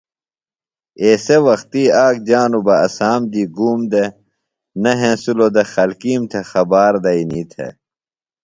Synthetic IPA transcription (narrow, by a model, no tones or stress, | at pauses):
eːsewɐxt̪iaːk̚d͡ʑaːnubɐɐsaːmd̪iːɡuːmd̪e | nɐɦẽsulod̪exɐlkiːmt̪ʰexɐbaːɾd̪ɐiniːt̪ʰḛ